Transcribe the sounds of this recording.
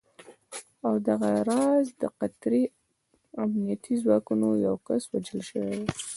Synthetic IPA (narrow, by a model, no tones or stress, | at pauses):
awd̪aɣaɾɑzd̪əqat̪ɾi | amnijat̪ʰizwɑkunojawkaswad͡ʒəlʃəwed̪e